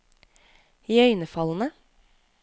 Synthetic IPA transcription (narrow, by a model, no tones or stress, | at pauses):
jœʏnəfɑlənə